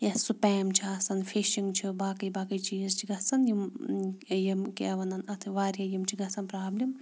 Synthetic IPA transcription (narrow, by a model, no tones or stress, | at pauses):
jɐssupɛːmt͡ʃʰiɐsɐnfʰiʃiŋɡt͡ʃʰibaːkɐjbaːkɐjt͡ʃiːzt͡ʃʰiɡɐsɐnjim | jimkiɐʋɐnɐnɐt̪ʰɨʋaːɾijɐjimt͡ʃʰiɡɐsɐnpɾaːblim